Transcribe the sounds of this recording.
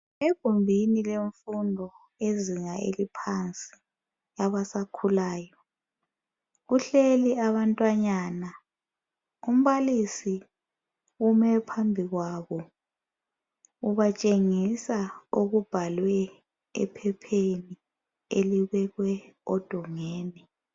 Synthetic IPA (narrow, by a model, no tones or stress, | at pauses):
eɡ̥ʱombʱinileɱfundʱɔ | eziŋaḛlipʰant͡sʼi̥ | jaβasakʰulaːjɔ | ɣuɬeliaβantʼwaɲaːna | um̩βalisi | umɛpʰambʱiɣwaβɔ | uβat͡ʃʼeŋisaoɣub̥ʱalwɛ | ɛ̰pʰɛpʰeni | eliɣɛɣwɛɔd̥ʱɔŋɛːnɛ